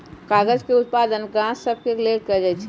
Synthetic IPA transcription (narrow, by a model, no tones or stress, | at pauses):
kaːɡəd͡ʒkeʊt̪̚paːd̪ənkãsəb̚keɾɪleːʈ̚kəd͡ʒat͡ʃʰi